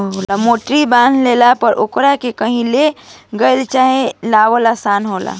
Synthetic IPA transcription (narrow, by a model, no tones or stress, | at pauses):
ɦolamoʈɾibãnd̪ʱlelapəɾʔokɾakekəɦĩleɡəjlt͡ʃaɦelaʋəlasanɦola̰